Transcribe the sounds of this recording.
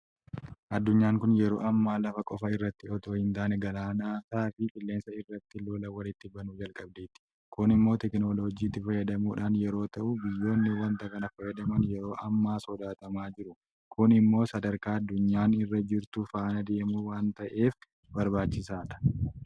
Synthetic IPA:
ʔɐd̪ːʊɲːaːŋkʊnjɛɾo̞ːʔɐmːaːlɐfɐkʼɔfɐɪrːɐt̪ːɪɔt̪oːhɪnt̪aːnɛɡɐlaːnaːt̪aːfɪkʼɪlːe̞ːnsɐɪrːɐt̪ːɪlo̞ːlɐwɐlɪt̪ːɪbɐnʊd͡ʒɐlkʼɐb̚d̪eːt̪ɪ̥ | kʊnɪmːo̞ːt̪ɛknoːloːd͡ʒiːt̪ːɪfɐjɐd̪ɐmuːᶑaːnjɛɾo̞ːt̪ɐʔubɪjːo̞ːnːɪwɐnt̪ɐkɐnɐfɐjɐd̪ɐmɐnjɛɾo̞ːʔɐmːaːsɔd̪aːt̪ɐmaːd͡ʒɪɾʊ | kʰʊnɪmːo̞ːsɐd̪ɐɾkaːɐd̪ːʊɲːaːnɪrːɐd͡ʒɪɾt̪ʊfaːnɐd̪e̞ːmuːwaːnt̪ɐʔe̞ːf | bɐɾbaːt͡ʃːɪsaːᶑɐ̥

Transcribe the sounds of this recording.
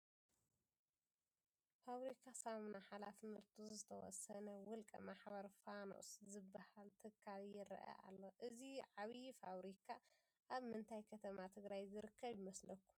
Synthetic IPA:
faβɾikʰasamnaħalafnɨɾt̪ʰuzɨt̪ʰɐwɔ̰sɐnɐwʊlkʼɐ̰maħbɐɾfano̰ʔszɨbːahalt̪ʰɨkʰːaljɪɾ̰ʔɐ̰ʔa̰lːoʔɨziʕaβjifaβɾikʰa | ʔaβmɨnt̪ʰajkʰɐt̪ʰɐmat̪ʰɨɡɾajzɨɾɨkʰːɐβjɪmɐslɐkːum

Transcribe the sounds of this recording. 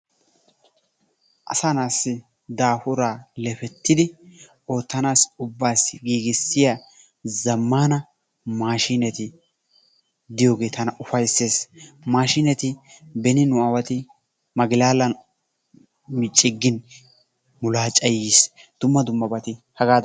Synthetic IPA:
ʔɐ̰sanaːsːɪ | d̪aːhʊɾaːlɛfɛt̪ːɪd̪ɪ | o̞ːt̪ːɐnaːsʊbːaːsɡiːɡɪsːɪja | zɐmːaːnɐ | maːʃiːnɛt̪ɪ | d̪ɪjo̞ːɡe̞ːt̪ʰɐnɐʔʊfɐjsːeːsmaːʃiːnɛt̪ɪbɛnɪnʊɐwɐt̪ɪ | mɐɡɪlaːlɐn | mɪt͡ʃʼːɪɡːɪn | mʊlaːt͡ʃʼɐjisd̪̥ʊmːɐd̪ʊmːɐbɐt̪ɪhɐɡaː

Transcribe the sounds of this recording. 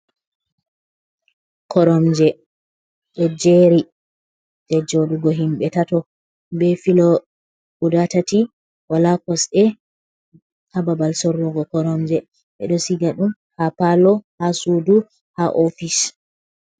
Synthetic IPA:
kʰɔɾɔmd͡ʒɛ | ɓɛd͡ʒeɾi | d͡ʒɛd͡ʒoɗuɡɔɦimɓɛtatɔ | bɛfilɔ | ʔudatati | walakɔsɛ | hababalsɔɾːuɡɔkɔɾɔmd͡ʒɛ | ɓɛ̰ɗɔsiɡaɗum | hapalɔhasudu | haʔofis

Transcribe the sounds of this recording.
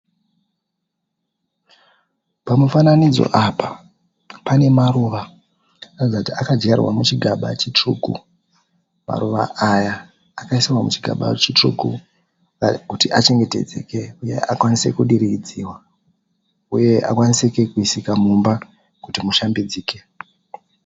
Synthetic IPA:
pamufananid͡zo̞̰ʔapa | pane̞maɾuʋa | nud͡zakutiakad͡ʒarwa̰mut͡ʃiɡʱaɓa̰t͡ʃit͡ʂrukṵ | ma̰ɾuʋa̰ʔajaː | kaisiwamut͡ʃiɡʱa̰ɓa̰t͡ʃitrṵku | kutiʔat͡ʃe̞ŋɡe̞te̞̰d͡ze̞̰ke̞uje̞̰ʔakwanise̞kuɗiɾiid͡ziwa | uje̞ʔa̰kwanisekekuisikamumba | kutimuʃambid͡ziːke̞

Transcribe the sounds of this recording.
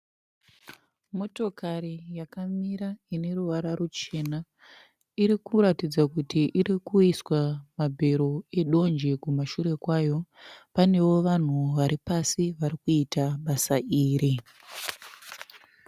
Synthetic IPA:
mo̞to̞kaɾijakamiɾaine̞ruʋaɾaɾut͡ʃe̞na | iɾikuɾatid͡zakutiʔiɾikuiswamabʱe̞ɾo̞e̞ɗo̞nd͡ʒekumaʃuɾe̞kwaːjo̞pane̞wo̞ʋan̤uʋaɾipasiʋaɾikuitaɓasaʔiːɾi

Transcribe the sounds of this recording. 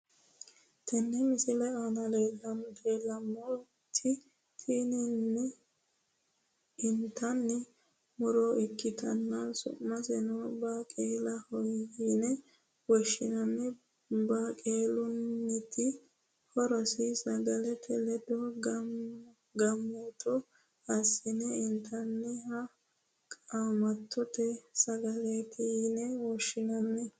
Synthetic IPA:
t̪ʰɐnːɛmɪsɪlɛanɐleːlɐmt̪elɐmːɔ | t̪ʰːɪ | t̪ʰiːnɪnːɛ | ɪnt̪ʰːɐnːɛ | mʊɾɔɪkːɪt̪ʰɐnːɐsʊ̰ʔmːɐsɛnɔbaːkʼeːlɐhɔjɡinɛ | wɔʃɪnɐnːɛ | bakʼeːlʊnːɪt̪ɪ | hɔɾɔsɪsɐɡɐlɛt̪ʰɛlɛd̪ɔɡ | ɡɐmːɔt̪ɔ | ɐsːɪnɛɪnt̪ʰɐnːɛhɐ | kʼaːmɐt̪ːɔt̪ɛsɐɡɐlɛt̪inɛwɔʃːɪnɐnːɛ

